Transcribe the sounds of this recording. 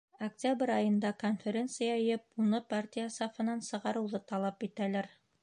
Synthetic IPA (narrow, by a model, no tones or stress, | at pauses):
ɐktʲabɾʲɑjɤ̆nd̪ɑkonfʲeɾʲe̞nt̪sɨjɑɤ̆jɤp̚unɤpartʲijasafɤ̆nɑnsɤ̆ʁɑɾɤ̆wðɤt̪ɑlˠɑpit̪ælæɾ